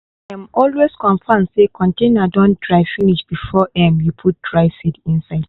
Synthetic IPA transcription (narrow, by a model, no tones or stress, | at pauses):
aj̃mɔlweskɔ̃nfãmdsekʰɔ̃ntẽnadɔ̃ntdɹaɪfiniʃb̥ifɔʔɛ̃mjupʰut̚dɹaɪsidĩnsaɪd̥